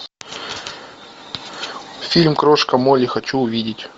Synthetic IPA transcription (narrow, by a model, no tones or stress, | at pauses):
fʲilʲmkɾoʂkɐmolʲɪxɐt͡ɕuʊvʲidʲɪtʲ